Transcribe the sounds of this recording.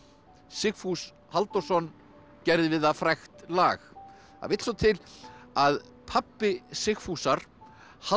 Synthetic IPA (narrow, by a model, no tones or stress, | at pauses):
sɪxfus | halt̪ɔsɔnː | cɛɾðɪvɪðafɾajxt̪la̰ːx | a̰vɪjt̪sɔt̪ʰɪlað | pʰapːɪsɪxfusaɾ̥ | ha